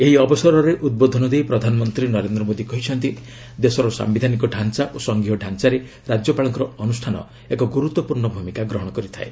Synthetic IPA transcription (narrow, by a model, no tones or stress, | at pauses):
eɦiɔbɔsɔɾɔɾeʔud̪̚bod̪ʱɔnɔd̪ejpɾɔd̪ʱanɔmɔnt̪ɾinɔɾend̪ɾɔmod̪ikɔɦit͡ʃʰɔnt̪i | d̪esɔɾɔsa̰mbid̪ʱanikɔɖʱant͡ʃaʔosɔŋɡiɦɔɖʱant͡ʃaɾe | ɾad͡ʒjɔpaɭɔŋkɔɾɔɔnusʈʰanɔ̰ | ekɔɡuɾut̪wɔpuɾɳɔbʱumikaɡɾɔɦɔɽ̃ɔkɔɾit̪ʰa̰e